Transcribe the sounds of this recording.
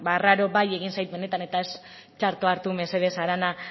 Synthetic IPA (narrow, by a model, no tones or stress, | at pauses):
baraɾo̞βaje̞ɣinsajt̪be̞ne̞t̪ane̞t̪ae̞s | t͡ʃaɾt̪oaɾt̪ume̞se̞ðesaɾana